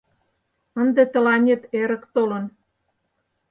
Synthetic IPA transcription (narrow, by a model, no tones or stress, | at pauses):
ənd̪ĕt̪ə̆lɑnʲet̪eɾə̆kt̪olə̆n